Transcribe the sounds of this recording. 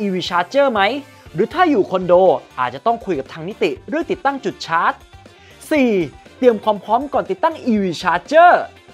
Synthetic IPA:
ʔiː˧wiː˧t͡ɕʰaː˦˥t̪̚t͡ɕɤː˥˩ma˦˥j | ɾɯː˨˦˥t̪ʰaː˥˩juː˨˩kʰo˧ndoː˧ʔaː˨˩t̪̚t͡ɕa˨˩t̪ɔ˥˩ŋkʰu˧jka˨˩pt̪ʰaː˧ŋni˦˥t̪i˨˩ɾɯ˥˩əŋt̪i˨˩t̪ːa˥˩ŋt͡ɕu˨˩t̪̚t͡ɕʰaː˦˥t̪̚ | siː˨˩t̪i˧əmkʰwaː˧mpʰɾɔː˦˥mkɔː˨˩nt̪i˨˩t̪ːa˥˩ŋʔiː˧wiː˧t͡ɕʰaː˧˥t͡ɕɤː˥˩

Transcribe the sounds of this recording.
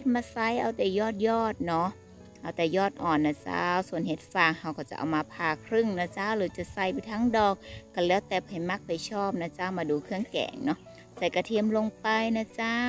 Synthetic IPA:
ht̪̚maː˧˥sa˧˥˩jʔa˧˩wt̪ɛː˨˩jɔː˧˩t̪̚jɔː˧˩t̪̚nɔ˧˦˥ | ʔa˧˩wt̪ɛː˨˩jɔː˧˩t̪̚ʔɔː˨˩nːaː˧˩t͡ɕa̰˧˥su˧˨ənhe˧˦t̪̚faː˧˩ŋha˧wka˧˩t͡ɕa˧ʔa̰˧˨wmaː˧pʰaː˧˩kʰɾɯ˧˩˨ŋnaː˧˩t͡ɕa˧˥lɯː˨˦t͡ɕa˧˩sa˧˩jpa˧˦t̪ʰaː˧˥˨ŋdɔː˧˩k̚ːa˧˩lɛː˨˦wt̪ɛː˨˧˩p̚ha˨˩jma˧˥˩k̚pa˨˩jsʰɔː˧˩p̚naː˧˥t͡ɕa˧˥˩maː˧duː˧˦kʰɯ˧˩əŋkɛ̰ː˨˦ŋnɔ˧˥ | sa˧˩jka˧˩t̪ʰi˧əmlo˧ŋpa˧jnaː˧˩t͡ɕa˦˧˥

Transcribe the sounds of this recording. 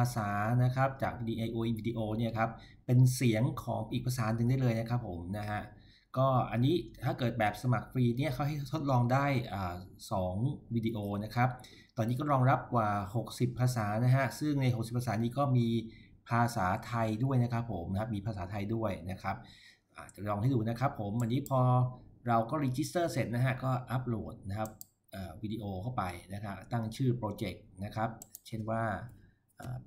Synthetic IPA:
aː˧saː˩˦na˦˥kʰɾa˦˥p̚t͡ɕa̰ː˨˩k̚diː˧ʔa˧jʔoː˧ʔiː˧wiː˧di˧ʔoː˧ni˥˩ɐkʰa˦˥p̚ː | e˧nsi˩˦əŋkʰɔː˩˦ŋʔi˨k̚pʰa˧saː˩˦˥nɯ˨˩ŋda˥˩jlɤː˧jna˦˥kʰa˦˥pʰːo˩˦mna˦˥ɦʰa˦˥ʔ | kɔː˥˩ʔa˧nːiː˦˥t̪ʰaː˥˩kɤː˨˩t̪̚bɛː˨˩p̚sa˧ma˨˩k̚fɾiː˧ni˥˩ɐkʰa˥˩wha˥˩jt̪ʰo˦˥t̪̚lɔː˧ŋdaː˥˩jʔaː˨˩sɔː˩˦ŋwiː˧diː˧ʔoː˧na˦˥kʰɾa˦˥p̚ | t̪ɔː˧nːiː˦˥k̬ɔ˥˩ɾɔː˧ŋɾa˦˥p̚kwaː˨˩ho˨˩k̚si˨˩pʰːaː˧saː˩˦na˦˥ɦa˦˥sɯ˥˩ŋna˧jɦo˨˩ksi˨˩pʰːa˧saː˩˦niː˦˥kɔː˥˩miː˧ | pʰaː˧saː˩˦t̪ʰa˧jdu˥˩əjna˦˥kʰa˦˥pʰːo˨˩˦mkʰa˦˥miː˧pʰaː˧saː˩˦t̪ʰa˧jdu˥˩əjna˦˥kʰa˦˥p̚ | ʔa̰ː˨˩t̪̚t͡ɕa˨˩lɔː˧ŋha˥˩jduː˧na˦˥kʰɾa˦˥pʰːo˩˦mʔa˧niː˦˥pʰɔː˧ɾa˧wkɔː˥˩ɾiː˧t͡ɕi˦˥st̪ɤː˥˩se˨˩t̪̚na˦˥kʰa˦˥kɔː˥˩ʔa˦˥p̚loː˨˩t̪̚na˦˥kʰa˦˥p̚ | ʔaː˨˩wiː˧diː˧ʔoː˧kʰa˥˩wpa˧jna˦˥kʰa˦˥t̪a˥˩ŋt͡ɕʰɯː˥˩pɾoː˧t͡ɕe˨˩k̚na˦˥kʰa˦˥p̚t͡ɕʰe˥˩nwaː˥˩ | ʔaː˨˩

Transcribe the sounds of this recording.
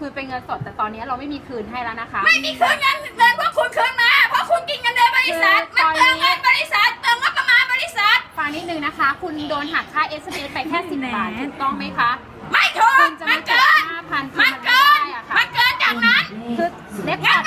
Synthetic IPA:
kʰɯː˧pe˧nŋɤ˧nso˨˩t̪ːɛː˨˩t̪ɔː˧nːi˦˥ɐɾa˧wma˥˩jmiː˧kʰɯː˧˩nɦa˥˩jlɛ˦˥wna˦˥kʰa˦˥ma˥˩jmiː˧kʰɯː˧˩nŋa˧n˨mɤ˨˧npʰu˥˩əkʰu˧nkʰɯː˧˩nma˦˥ja˨˧˩pʰɔ˦˥kʰu˧nki˧nŋə˧ndɤː˧bɔː˧ɾi˦˥ssa˨˩t̪̚ma˧˥ɔː˧a˧˥bɔː˧i˦˥sa˨˩t̪̚ːɤː˧nmɔ˦˥t̪̚ːa˧maː˧nbɔː˧ɾi˦˥sa˨˩t̪̚faː˧niː˦˥nɯ˨˩ŋna˦˥kʰa˦˥kʰu˧ndoː˧nɦa˨˩t̚kʰːaː˦˥jʔeː˦˥se˧mʔeː˦˥pa˧jkʰɛː˥˩ssi˨˩tsaː˨˩uː˨˩k̚t̪ɔ˥˩ŋma˦˥jkʰa˦˥ʔ | ma˥˩jt̪ʰuː˨˧nt͡ɕa˨m˧nkːɤː˧haː˥˩pʰa˧nsma˧kɤː˧na˥jʔa˨˩kʰa˦ma˧nkɤː˧n̚t͡ɕaː˨˩k̚na˦˥nkʰɯː˧˩ | le˦˥p̚

